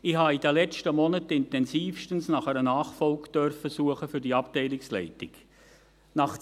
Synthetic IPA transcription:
ɪhɑidəlɛt͡stəmɔnətɪntɛnsiːfʃtənsnɑχɛɾənɑːχfɔlkd̥œrfəsuəχəfyɾdiɑptɛɪlɪkslɛ̰ɪtɪɡ | nɑχ

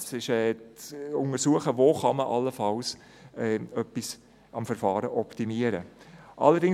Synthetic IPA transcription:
sɪʃɛːt͡sʊŋəɾsuəχəvoːχɑməʔɑlːəfɑls | ɛːœpːis | ɑmfɛɾfɑːɾəʔɔptimiəɾə̰ʔɑ̰lːəɾdɪŋ

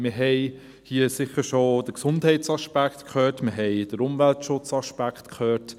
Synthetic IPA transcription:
mɪɦɛɪ | hiəsɪχəɾʃod̥əksʊndhɛɪtsɑʃpæktkʰχœːtmɪɦɛɪd̥əɾʊmvæltʃʊt͡sɑʃpæktkʰχøːɾt

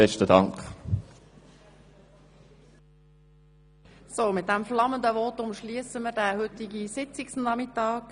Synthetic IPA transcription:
ɛʃtədɑŋk | soːmɪt̪̚d̥æmflɑmənd̪əvɔːtʊmʃliəsəməɾdæhʏtiɡisɪt͡sɪksnɑmɪtɑːk

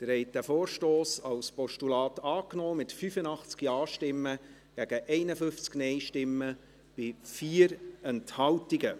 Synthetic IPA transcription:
d̪̥əɾhɛɪt̚d̥æfoːɾʃtoːsɑwspɔʃtulɑːtɑːknɔːmɪtfyfənɑχt͡skiɑːʃtɪmːə | ɡ̥æɡ̥əʔɛɪnəfʏft͡sknɛɪʃtɪmːə | b̥ɪfiːəɾɛnthɑltiɡə

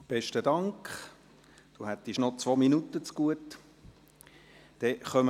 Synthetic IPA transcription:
b̥ɛʃtədɑŋkχ | d̥uhæt̪ːiʃnɔt͡sʋominut̪ːət͡sɡ̥uət | d̥ɛχœm

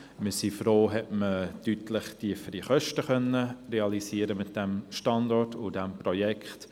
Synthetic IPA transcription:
məsifɾoːɦɛtmətytʰləχtiəfəɾiχœʃtəχœnːəreɑlisiːəɾəmɪt̚d̥ɛmʃtɑndɔɹtʊdɛmprɔjɛkχt

